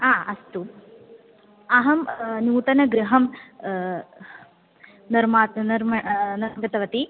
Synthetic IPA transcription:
aːʔɐst̪u | ɐɦɐmnuːt̪ɐnɐɡɾɪɦɐm | nɐɾmaːt̪nɐɾmɐnɐɡɐt̪ɐʋɐt̪i

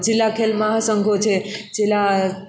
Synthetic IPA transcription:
d͡ʒɪlːakʰelməɦasəŋɡʱot͡ʃʰed͡ʒela

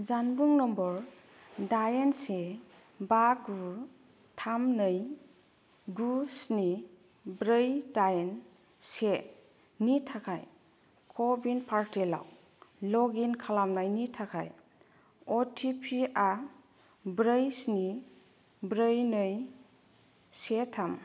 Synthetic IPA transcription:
zanbuŋnɔmbɔɾ | dajense | baɡu | tʰamnɯj | ɡusni | bɾɯjdajen | se | nitʰakʰaj | kʰɔbinpʰaɾtela̰w | lɔɡinkʰalamnajnitʰakʰa̰j | ɔtʰipʰiʔa | bɾəjsni | bɾɯjnɯj | setʰam

